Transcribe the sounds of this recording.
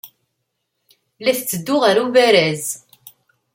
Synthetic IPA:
læθt͡sːəd̪ːʊʁəɾuvæɾæz

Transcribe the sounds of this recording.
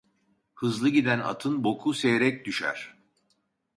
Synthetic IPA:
hɯzlˠɯɟid̪æna̰t̪ʰɯnbo̞kʰusejeɾɛc̚d̪yʃæ̰ɾ̥

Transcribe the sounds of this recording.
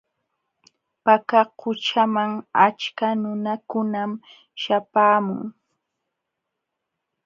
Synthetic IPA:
pakaqʰʊt͡ʃamaŋat͡ʃkanʊnakʊnam | ʃapaːmʊ̰ŋ

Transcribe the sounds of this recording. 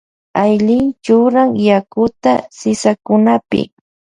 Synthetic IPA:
ajlɪnt͡ʃʊɾaŋjakʊt̪a̰sɪsakʊnapɪ̰

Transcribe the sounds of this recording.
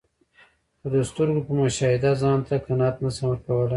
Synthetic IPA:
əd̪əst̪əɾɡopəmʊʃɑhɪd̪azɑnt̪akanɑt̪nəsamwəɾkawəla

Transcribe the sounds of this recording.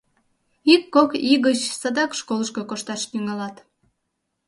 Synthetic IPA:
ikːokiɣət͡ɕsɑd̪ɑkʃkoləʃkokoʃt̪ɑʃt̪yŋɑlɑt̪

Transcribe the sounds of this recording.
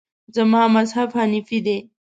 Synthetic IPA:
zɐmaːmɐzafʰanifid̪e

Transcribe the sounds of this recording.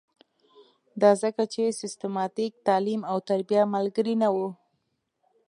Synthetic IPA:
d̪ɑzəkat͡ʃesɪst̪ɪmɑt̪ik̚t̪ɑlimawt̪aɾbijamalɡəɾinawu

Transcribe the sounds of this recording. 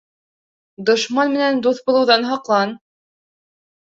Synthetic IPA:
d̪ŏʃmɑnmɘ̆nænd̪uθbulˠɤ̆wðɑnɦɑqlˠɑn

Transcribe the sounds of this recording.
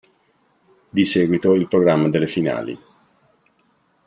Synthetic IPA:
d̪isɛːɡwit̪oilpɾoɡɾamːad̪elːefina̰ːlḭ

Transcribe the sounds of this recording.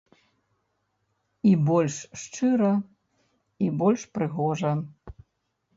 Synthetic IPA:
ibɔlʲʂːt͡ʂɨɾɐ | ibɔlʲʂpɾɨɣɔʐɐ

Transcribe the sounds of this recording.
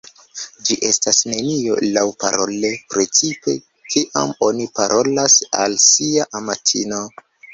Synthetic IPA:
d͡ʒiʔe̞stasne̞nio̞̰lawpa̰ɾo̞̰le̞pɾe̞t͡sipe̞̰ | kʰiʔa̰mo̞nipaɾʔo̞lasa̰lsiaʔamatʰino̞

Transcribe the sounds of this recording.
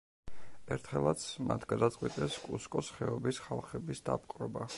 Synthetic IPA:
ɛɾt̪ʰχɛlˠat̪sʰmat̪ʰɡ̥ad̪at̪sʼqʼwit̪ʼɛskʼuskʼɔsχɛɔbisχalˠχɛbisd̪a̰pʼqʼɾɔba

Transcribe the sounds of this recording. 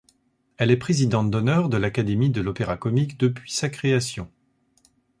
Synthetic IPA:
ɛlɛpχezid̪ɑ̃t̪̚d̪ɔnœʁd̪əlakad̪emid̪əlɔpeʁakɔmikd̪əpɥisakχeasjɔ̃

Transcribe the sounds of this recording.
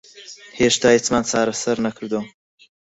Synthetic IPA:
heʃt̪aːhit͡smaːnt͡sʰaːɾɐsɐɾnɐkʰɨɾd̪uwɐ

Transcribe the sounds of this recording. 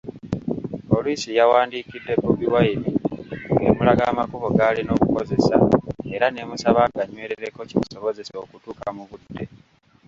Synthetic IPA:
po̞lisijawaːndikidːe̞poβiwaiβiḛmulaɡaːmakuβoɡalino̞ːkuko̞ze̞sa̰e̞ɾane̞musaβaɡaɲwe̞ːɾe̞ɾe̞ko̞ciβuso̞βo̞ze̞so̞ːkutuːkamuβudːe̞

